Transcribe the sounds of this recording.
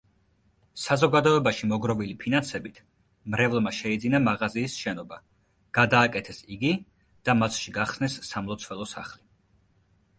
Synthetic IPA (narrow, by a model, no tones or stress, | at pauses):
sazɔɡad̪ɔɛbaʃimɔɡɾɔvilipʰinansɛbit̪ʰ | mɾɛvlˠmaʃɛid̪zinamaʁaziːsʃɛnɔba | ɡ̥ad̪aːkʼɛt̪ʰɛsiɡi | d̪̥amat̪sʰʃiɡaχsnɛsːamlˠɔt̪sʰvɛlˠɔsa̰χli